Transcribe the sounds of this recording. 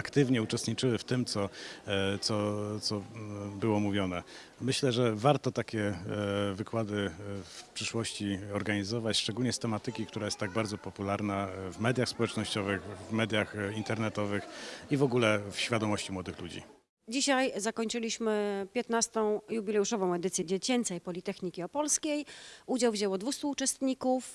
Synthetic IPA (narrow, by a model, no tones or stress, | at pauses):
akt̪ɘvɲɛut͡ʂɛst̪ɲit͡ʂɘwɘft̪ɘmt̪sɔ | t̪sɔt̪sɔbɘwɔmuvʲjɔnɛ | mɘɕlɛʐɛvaɾt̪ɔt̪akʲɛ | vɘkwad̪ɘfpʂɘʂwɔɕt͡ɕiɔɾɡaɲizɔvat͡ɕʂt͡ʂɛɡulɲɛst̪ɛmat̪ɘkʲikt̪uɾajɛst̪ːaɡ̚baɾd̪zɔpɔpulaɾnavmɛd̪ʲjaxspɔwɛt͡ʂnɔɕt͡ɕɔvɘxvmɛd̪ʲjaxint̪ɛɾnɛt̪ɔvɘxivɔɡulɛfɕfʲjad̪ɔmɔɕt͡ɕimwɔd̪ɘxlud͡ʑḭ | d͡ʑiɕajzakɔɲt͡ʂɘlʲiɕmɘpʲjɛt̪nast̪ɔ̃w̃jubʲilɛuʂɔvɔ̃w̃ɛd̪ɘt̪sʲjɛd͡ʑɛt͡ɕɛnt̪sɛjpɔlʲit̪ɛxɲikʲiɔpɔlskʲejud͡ʑawvʑɛwɔd̪vust̪uːt͡ʂɛst̪ɲikuf